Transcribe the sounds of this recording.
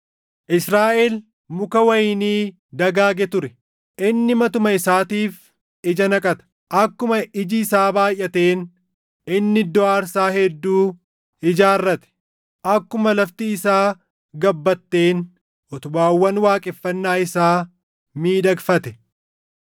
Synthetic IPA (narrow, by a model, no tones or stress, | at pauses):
ʔɪsɾaːʔeːl | mʊkɐwɐjɪniː | d̪ɐɡaːɡɛt̪ʊɾɛ | ʔɪnːɪmɐt̪ʊmɐɪsaːt̪iːf | ɪd͡ʒɐnɐkʼɐt̪ɐ̥ | ʔɐkːʊmɐɪd͡ʒɪɪsaːbaːjːɐt̪eːn | ɪnːɪd̪ːɔaːɾsaːhɛd̪ːuː | ɪd͡ʒaːrːɐt̪ɛ̥ | ʔɐkːʊmɐlɐft̪ɪːsaː | ɡɐbːɐt̪ːeːn | ʔɔt̪ʊbaːwːɐnwaːkʼɪfːɐnːaːɪsaː | miːᶑɐɡfɐt̪ɛ̥